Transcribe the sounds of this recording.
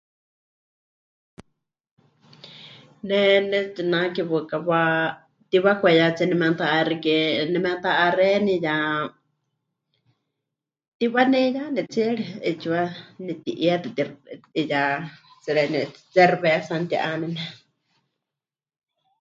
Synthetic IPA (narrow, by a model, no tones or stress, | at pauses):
nɛnɛt͡sinakiβɨkawa | t̪iβakʷɛjat͡sinɛmɛ̃nt̪aʔarikɛnɛmɛ̃nt̪aʔːrɛnija | t̪iβanɛjanɛt͡siɛɺiɛt͡ʃiwanit̪iʔjɛt̪ɛt̪irija | t͡sɛɺɛnɛt͡sɛrβɛsant̪jḭʔanɛnɛ